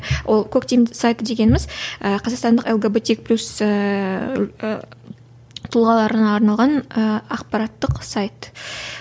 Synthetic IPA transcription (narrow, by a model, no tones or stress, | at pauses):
wo̞lˠkʰokt̪ʲejmsajt̪əd̪e̞ɡʲe̞nɪmɪzəqʰɑzɑqst̪ɑnd̪əqelˠɡebet̪ek̚pʰlʲusə | t̪ʰʊlˠʁɑlˠɑɾənɑːɾnɑlˠʁɑnəɑqpɑɾɑt̪ːəqsajt̪